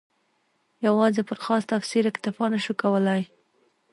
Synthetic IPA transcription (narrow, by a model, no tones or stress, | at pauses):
jawɑzepəɾxɑst̪afsiɾɪkt̪ɪfɑnəʃukawəlaj